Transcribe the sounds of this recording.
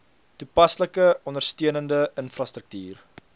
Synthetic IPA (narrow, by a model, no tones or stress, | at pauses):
tupɐsləkəɔndərstyənəndəənfrɐstɾək̚tyːr